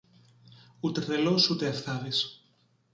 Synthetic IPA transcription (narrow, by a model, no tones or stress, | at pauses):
ut̪erelosut̪eafθavis